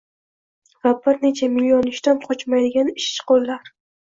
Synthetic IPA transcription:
vabɪɾne̞t͡ʃʰamɪlʲːjonɪʃt̪anqʰɒt͡ʃmajd̪ɪɡʲanɪʃt͡ʃqolːaɾ

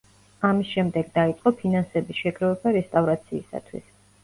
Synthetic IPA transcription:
amisʃɛmd̪ɛɡd̪ait̪sʼqʼɔpʰinansɛbisʃɛɡɾɔvɛbaɾɛst̪ʼavɾat̪sʰiːsa̰t̪ʰwḭs

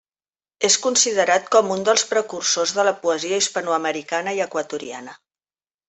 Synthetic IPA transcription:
eskunsiðəɾat̪kɔmund̪əlˠspɾəkursozðələpuəziəispənuəməɾikanəiəkwət̪uɾḭa̰nə

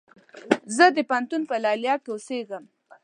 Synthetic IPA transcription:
zəd̪əpant̪unpəlɑljɑkeoseɡəm

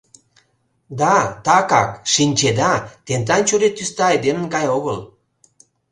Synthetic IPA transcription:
d̪ɑt̪ɑkɑkʃinʲt͡ɕed̪ɑt̪ent̪ɑnt͡ɕoɾet̪ːyst̪ɑːjd̪emənkɑjoɣəl

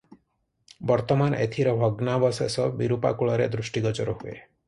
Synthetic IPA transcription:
bɔɾt̪ɔmanʔet̪ʰiɾɔbʱɔɡnabɔsesɔbiɾupa̰kuɭɔɾed̪ɾusʈiɡɔt͡ʃɔɾɔɦuḛ

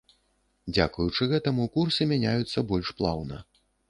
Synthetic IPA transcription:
d͡zʲa̰kujut͡ʂɨɣɛt̪ɐmukursɨmʲanʲajut̪sːɐbɔlʲʂplˠa̰wnɐ̰

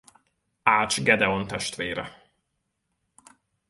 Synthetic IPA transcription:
aːt͡ʃɡɛd̪ɛont̪ɛʃt̪ʋeːɾɛ̰

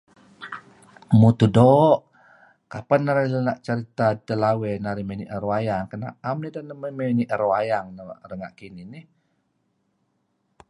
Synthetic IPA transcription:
mut̪udɔʔ | kapanːaɾalənaʔt͡ʃəɾit̪adəlawenaɾimeniʔəɾoajaŋkəna̰ʔamnidanəməmeniʔəɾoajaŋnərəŋa̰ʔkininih

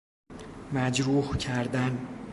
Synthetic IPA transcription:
mæd͡ʒɾuhcʰæɾd̪æn

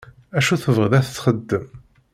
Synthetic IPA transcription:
æʃuθəvəʁðæθə̥t͡sːχəd̪ːəm

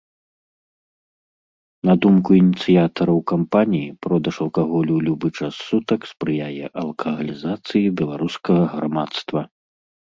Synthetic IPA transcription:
nɐd̪umkuinʲit̪sɨjat̪ɐɾɐwkampanʲijipɾɔd̪ɐʂɐlˠkaɣɔlʲulʲubɨt͡ʂɐsːut̪ɐkspɾɨjajɛʔɐlˠkʰɐɣɐlʲizat̪sɨjibʲɛlˠaɾuskɐɣɐɣɾamat̪st̪vɐ

